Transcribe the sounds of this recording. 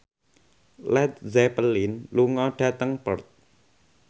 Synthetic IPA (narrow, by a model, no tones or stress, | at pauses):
lɛt̪̚zɛpəlinluŋɔɖ̥ä̤t̪əŋpərt̪̚